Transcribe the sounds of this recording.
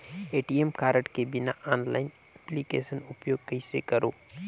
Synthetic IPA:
eːʈiemkaːɾəʈkebɪnaʔaːnla̰ːɪn | ɛplikeːsənʊpjoːɡ̚kɐɪsḛkɐɾo̰ː

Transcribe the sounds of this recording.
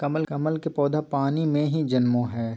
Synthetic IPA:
kɐməlkɐməlkepɔːd̪ʱapaːnimẽɦid͡ʒɐnmõɦɛː

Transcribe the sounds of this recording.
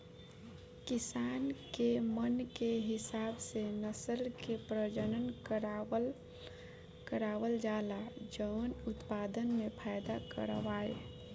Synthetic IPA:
kɪsaːnkemənkeɦɪsaːbsenəsəlkepɾəd͡ʒənənkəɾ | kəɾaːwəld͡ʒaːlad͡ʒəʊnʊt̪paːd̪ənmẽpʰajd̪akə̰ɾʋaːḛ

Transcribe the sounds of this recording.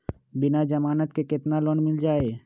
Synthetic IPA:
binad͡ʒəmaːnət̪kekɪt̪nalonmɪld͡ʒaːe

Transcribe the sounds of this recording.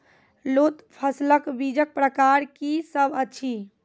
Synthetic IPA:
lot̪pʰəsləkbid͡ʒək̚pɾəkaɾkisəbət͡ʃʰi

